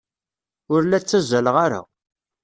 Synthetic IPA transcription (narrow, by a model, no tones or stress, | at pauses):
ʊɾlæt͡sːæzæləʁaɾa̰